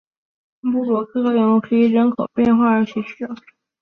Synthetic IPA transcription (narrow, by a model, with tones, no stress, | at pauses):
pu˥˩lwɔ˨˩kʰɤ˥˧kɤ˥˩jɛ˧˥nu˧˥˩kʰɤ˧˥i˨˥˩ɻə˧˥nkʰo˨˩ʊpjɛ˥˧nxwa˥˩ə˞˧˥t͡ɕʰɛ˧˥ɕy˥˩ɑ˨˩